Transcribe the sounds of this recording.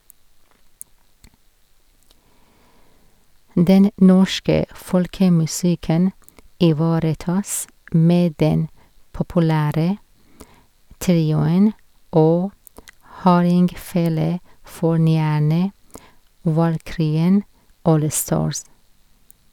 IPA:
ˈdɛn ˈnɔʃkə ˈfɔɽkəmʉˌsɪkən ɪˈʋɑːɾəˌtɑːs ˈmeː ˈdɛn pɔpʊˈlæːɾə ˈtɾiːʊən ˈoː ˈhɑːɾɪŋɡˌfeːləˌfɔɳyːæɳə ʋɑlˈkɾyːən ˈʔoːlˌstɑːɹs

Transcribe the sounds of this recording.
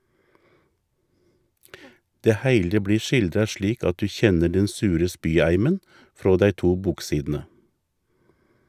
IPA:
ˈdeː ˈhæɪlə ˈbliː ˈʃɪldɾɑ ˈʃliːk ˈɑt ˈdʉː ˈçɛnə ˈɖɛn ˈsʉːɾə ˈspyːˌæɪmən ˈfɾoː ˈdæɪ ˈtuː ˈbuːkˌsiːdn̩ə

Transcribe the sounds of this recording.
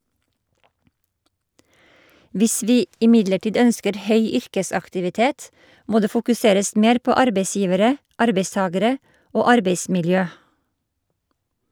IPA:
ˈʋɪs ˈʋiː ɪˈmɪdləˌʈiːd ˈœnskəɾ ˈhœʏ ˈʏɾkəsɑktɪʋɪˌteːt ˈmoː ˈdeː fʊkʉˈseːɾəs ˈmeːɾ ˈpoː ˈɑɾbeɪˌsjiːʋəɾə ˈɑɾbeɪˌstɑːɡəɾə ˈoː ˈɑɾbeɪsmɪlˌjøː

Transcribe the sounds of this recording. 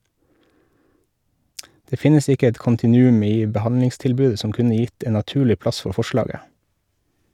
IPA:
ˈdeː ˈfɪnəs ˈɪkə ˈɛt kʊntɪˈnʉːʉm ˈiː bəˈhɑnlɪŋstɪlˌbʉːə ˈsɔm ˈkʉnə ˈjɪt ˈeːn nɑˈtʉːlɪ ˈplɑs ˈfɔ ˈfɔˌʃlɑːɡə

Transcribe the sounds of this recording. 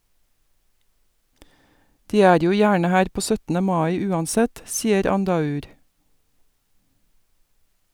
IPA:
ˈdiː ˈæːɾ ˈjuː ˈjæːɳə ˈhæːɾ ˈpoː ˈsœtn̩ə ˈmɑɪ ˈʉːɑnˌsɛt ˈsiːəɾ ˈɑndɑˌʉːɾ

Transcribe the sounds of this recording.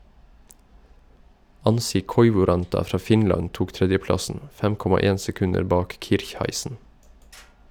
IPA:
ˈɑnsɪ ˈkɔʏʋʊˌɾɑntɑ ˈfɾɑː ˈfɪnlɑn ˈtuːk ˈtɾɛdjəˌplɑsən ˈfɛm ˈkɔmɑ ˈeːn sɛˈkʉnəɾ ˈbɑːk ˈkɪɾçhæɪsən

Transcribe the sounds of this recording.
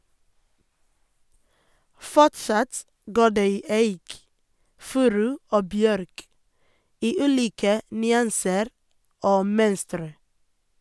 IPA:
ˈfɔʈsɑt ˈɡoː ˈɖeː ˈiː ˈæɪk ˈfʉːɾʉ ˈoː ˈbjœɾk ˈiː ˈʉːliːkə nʏˈɑnsəɾ ˈoː ˈmœnstɾə

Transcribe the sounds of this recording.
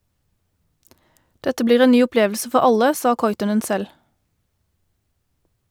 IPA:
ˈdɛtə ˈbliːʁ ˈeː ˈnyː ʊˈpleːʋl̩sə ˈfɔʁ ˈɑlə ˈsɑː ˈkɔʏtɔnən ˈsɛl

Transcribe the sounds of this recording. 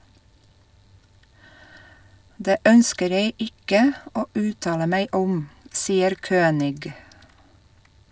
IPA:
ˈdeː ˈœnskəɾ ˈjeɪ ˈɪkə ˈoː ˈʉːtɑːlə ˈmæɪ ˈʊm ˈsiːəɾ ˈkøːnɪɡ

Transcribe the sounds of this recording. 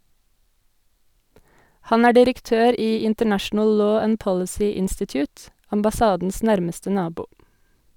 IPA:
ˈhɑn ˈæː ɖɪɾəkˈtøːɾ ˈiː ɪntəˈɳæʃn̩əl ˈloː ˈænd ˈpɔlɪsiː ˈɪnstɪtjʊːt ɑmbɑˈsɑːdn̩s ˈnæɾməstə ˈnɑːbuː

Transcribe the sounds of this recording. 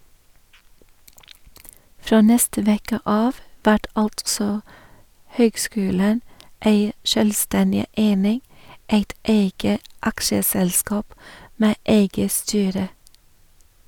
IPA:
ˈfɾoː ˈnɛstə ˈʋeːkə ˈɑːʋ ˈʋæʈ ˈɑltsɔ ˈhøːɡˌskʉːlən ˈeɪ ˈʃœlˌstɛndɪ ˈʔeɪnɪŋ ˈeɪt ˈeɪɡə ˈɑkʃəˌsɛlˌskɑːp ˈmeː ˈʔeɪɡə ˈstyːɾə

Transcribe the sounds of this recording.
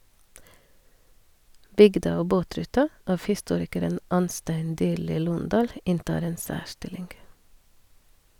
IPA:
ˈbʏɡdɑ ˈoː ˈboːˌtɾʉːtɑ ˈɑf hɪˈstuːɾɪkəɾən ˈɑnˌstæɪn ˈdyːɾliː ˈluːnˌdɑːl ˈɪntɑːɾ ˈeːn ˈsæːˌʃʈɪlɪŋɡ

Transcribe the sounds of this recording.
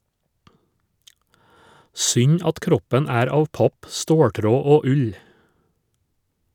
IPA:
ˈsʏɲ ˈɑt ˈkɾɔpɛn ˈæːɾ ˈɑːʋ ˈpɑp ˈstoːˌʈɾoː ˈoː ˈʉʎ

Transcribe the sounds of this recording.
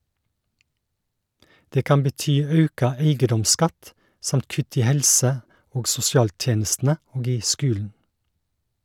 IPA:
ˈdeː ˈkɑm bəˈtyː ˈɑʉkɑ ˈæɪɡədɔmˌskɑt ˈsɑmt ˈkʉt ˈiː ˈhɛlsə ˈoːɡ sʊsɪˈɑːlˌtjeːnəstn̩ə ˈoːɡ ˈiː ˈskʉːln̩

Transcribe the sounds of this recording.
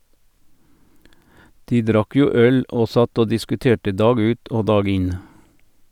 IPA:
ˈdiː ˈdɾɑk ˈjuː ˈœl ˈoː ˈsɑt ˈoː dɪskʉˈteːʈə ˈdɑːɡ ˈʉːt ˈoː ˈdɑːɡ ˈɪn

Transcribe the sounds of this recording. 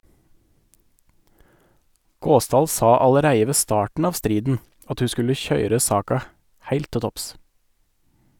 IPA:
ˈɡoːˌsdɑːl ˈsɑː ɑləˈɾæɪə ˈʋeː ˈstɑːʈn̩ ˈɑːʋ ˈstɾiːdn̩ ˈɑt ˈhʉː ˈskʉlə ˈçœʏɾə ˈsɑːkɑ ˈhæɪlt ˈtɪ ˈtɔps

